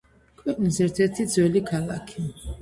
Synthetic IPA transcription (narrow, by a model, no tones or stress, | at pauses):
kʰʼwɛkʼnizɛɾt̪ʰɛt̪ʰid̪zwɛlikʰalakʰi